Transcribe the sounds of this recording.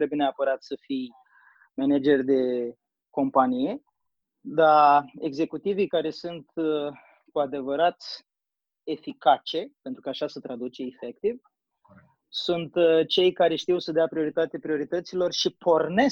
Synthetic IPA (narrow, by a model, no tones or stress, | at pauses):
t̪ɾebjeneapəɾat̪səfij | mened͡ʒe̞rʲd̪e̞ | ko̞mpanije̞ | d̪ae̞ɡze̞kut̪ivikaɾe̞sunt̪ | kuad̪e̞vəɾat̪sʲ | e̞fikat͡ʃe̞pe̞nt̪ɾukaːʃasət̪ɾad̪ut͡ʃe̞ifek̚t̪iv | sunt̪t͡ʃe̞jkaɾe̞ʃt̪iwsəd̪eapɾio̞ɾit̪at̪epɾio̞ɾit̪ət̪silo̞rʃipo̞rne̞s